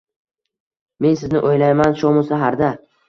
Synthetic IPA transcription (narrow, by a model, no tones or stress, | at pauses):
me̞nsɪznɪʔojlajmanʃomʊsaɦaɾd̪a